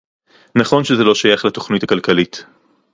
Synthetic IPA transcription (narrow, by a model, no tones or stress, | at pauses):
naχo̞nʃezelo̞ʃajaχlato̞χnitakalkalit